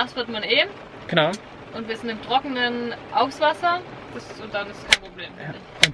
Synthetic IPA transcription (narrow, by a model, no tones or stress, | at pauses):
aχtv̥ɪɐtmaneːm̩ | ɡ̥ənaʊ | ʔʊntviːɐzɪntɪmtʁ̥ɔkənənʔaʊfsv̥asɐ | d̥asʊntd̥anɪstskʰaɪnpʁ̥obleːmfdɪçʊn